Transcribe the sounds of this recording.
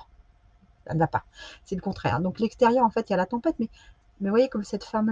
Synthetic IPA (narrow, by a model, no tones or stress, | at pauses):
sa̰nəvapa̰sɛləkɔ̃t̪χɛ̰ʁd̪ɔ̃klɛkst̪eʁjœʁɑ̃fɛt̪ijalat̪ɑ̃pɛt̪mɛ | mɛvwajekɔmsɛt̪fɛʁm